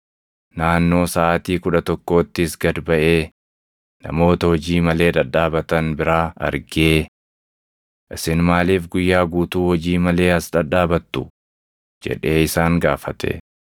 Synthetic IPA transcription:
naːnːo̞ːsaːt̪iːkʊᶑɐt̪ɔkːo̞ːt̪ːɪsɡɐd̪bɐʔe̞ː | nɐ̰mo̞ːt̪ɐhɔd͡ʒiːmɐle̞ːᶑ̪ɐᶑaːbɐt̪ɐnbɪɾaːɐ̰ɾɡeː | ʔɪsɪnmaːliːfɡʊjːaːɡuːt̪uːhɔd͡ʒiːmɐle̞ːɐsᶑɐᶑaːbɐt̪ːʊ | d͡ʒɛ̰ᶑe̞ːɪsaːŋɡaːfɐt̪ʰḛ

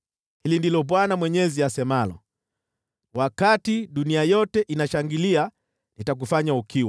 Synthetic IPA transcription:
hilindilɔɓwanamwɛɲɛziasɛmalɔ̰ | wakatiɗuniajɔtɛʔinaʃaŋɡilia | nitak̬ufaɲaukiwa

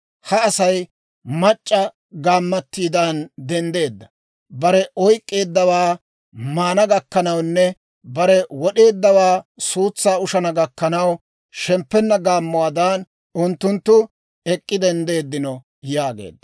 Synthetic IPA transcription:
hɐːsɐj | mɐt͡ʃʼːɐ | ɡaːmːɐt̪ːiːd̪ɐnd̪ɛnd̪e̞ːd̪ːɐ̥ | bɐɾɛʔɔjkʼːe̞ːd̪ːɐwaː | maːnɐɡɐkːɐnɐwnːɛ | bɐɾɛwɔɗe̞ːd̪ːɐwaːsuːt͡sːaːʊʃɐnɐɡɐkːɐnɐw | ʃɛmpːɛnːɐɡaːmːʊwaːd̪aːn | ʊnt̪ːʊnt̪ːʊ | ɛkʼːɪd̪ɛnd̪e̞ːd̪ːɪnɔ | jaːɡḛːd̪ːɐ̥

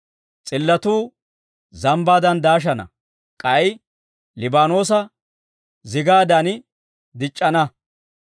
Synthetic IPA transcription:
t͡sʼɪlːɐt̪uː | zɐmbaːd̪ɐnd̪aːʃ̬ɐnɐ̰ | kʼɐj | lɪbaːno̞ːs̬ɐ | zɪɡaːd̪ɐn | d̪ɪt͡ʃʼːɐnɐ

